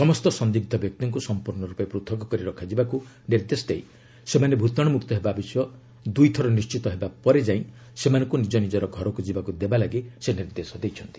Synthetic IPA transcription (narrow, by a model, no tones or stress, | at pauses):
sɔmɔst̪ɔsɔnd̪ik̚d̪ʱɔbjɔk̚t̪ɔŋkusɔmpuɾnɔɾupɔepɾut̪ʰɔkɔkɔɾiɾɔkʰad͡ʒibaku | niɾd̪esɔd̪ej | semanebʱut̪ɔɽ̃ɔmukt̪ɔɦebabisɔjɔ | d̪ujt̪ʰɔɾɔnist͡ʃit̪ɔɦebapɔɾed͡ʒaĩ | semanɔ̃ŋkunid͡ʒɔnid͡ʒɔɾɔɡʱɔɾɔkud͡ʒibakud̪ebalaɡiseniɾd̪esɔd̪ejt͡ʃʰɔnt̪i̥